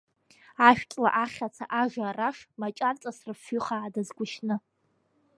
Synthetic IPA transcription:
aʃᶣkʲʼla̰ʔaχʲat͡sʰaʔaʒaraʂmat͡ʃʼart͡sʼasrɨfʏχaːdazɡʷʊʃnɨ

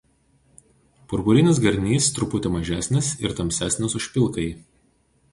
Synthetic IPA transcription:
pʊɾbʊɾʲɪnʲɪsɡɐɾʲnʲiːst̪ɾʊpʊt̪ʲɛmɐʒʲæːsʲnʲɪsɪɾt̪ɐmʲsʲæːsʲnʲɪsʊʃʲpʲɪlˠˑkɐɪ

